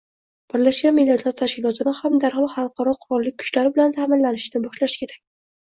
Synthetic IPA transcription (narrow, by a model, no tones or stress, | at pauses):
b̥ɪɾlaʃɡʲanmɪlːat̪ʰlaɾt̪ʰaʃkʲɪlˠɒt̪ʰɪnɪhamd̪aɾhlˠχɑlˠqʰɑɾɒqʰʊɾɒlːɪk̚ʲkʰːʊ̥t͡ʃlaɾɪbɪlant̪ʰaːmɪnlanɪʃnɪbɒʃlaʃɪ̥kʲʰe̞ɾakʲ